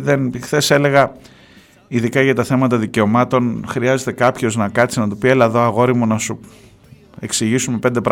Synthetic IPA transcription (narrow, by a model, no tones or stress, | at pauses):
ðenxθe̞se̞le̞ɣɐ | iðikɐʝɐt̪ɐθe̞mɐt̪ɐðice̞o̞mɐt̪o̞nxɾiɐze̞t̪e̞kɐpço̞znɐkɐt̪t͡sinɐt̪upie̞lɐðo̞ɐɣo̞ɾimunɐsu | e̞ksiʝisume̞pe̞nd̪epɾ